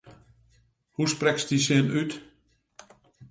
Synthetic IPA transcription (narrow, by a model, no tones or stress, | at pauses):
husprɛksdisɪənyt